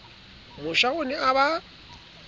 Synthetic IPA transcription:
mʊʃaonɪaβa

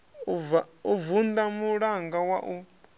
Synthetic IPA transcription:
uvund̪amuɺaŋɡawaʔu

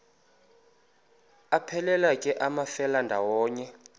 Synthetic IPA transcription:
apʰɛlɛlakʼɛʔamafɛlandʱawɔːɲɛ

